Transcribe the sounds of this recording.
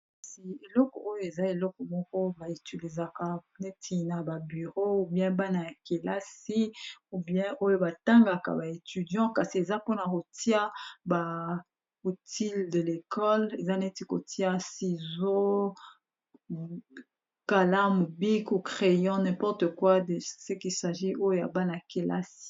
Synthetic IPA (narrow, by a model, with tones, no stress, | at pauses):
ka˨si˨e˨lɔ˦kɔ˨o˦jo˦˨e˨za˦e˨lɔ˦kɔ˨mɔ˦kɔ˦ba˨e˨ty˨di˨za˨ka˨ne˦tʰi˦na˨ba˨by˨ʁo˦u˦bjɛ̃˦ba˦na˨ja˨ke˨la˦si˦u˦bjɛ̃˦ʔo˦jo˦ba˨ta˦ŋɡa˨ka̰˨ba˨e˨ty˨djɑ̃˦ka˨si˨e˨za˦po˦na˨ko˨ti˦a˦ba˨ | o˨ti˦lde˨le˨kɔ˦le˨za˦ne˦ti˦ko̰˨ti˦a˦si˨zo˦ | ka˨la˦mu˨bi˦ku˨kʁe˨jɑ̃˦nɛ̃˨pɔ˦ʁtə˨kwa˦dsə˦ki˨sa˨ʒi˦o˦jo˦ja̰˨ba˦na˨a˨ke˨lʔa̰˦si̥˦